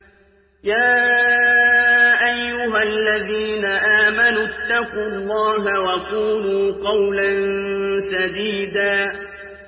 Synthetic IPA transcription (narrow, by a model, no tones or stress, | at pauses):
jaː | ʔajːʊɦalːaðiːnaʔaːmanut̪ːɑquːlˤːɑːɦawakuːnuːqɑwlansad̪iːd̪aː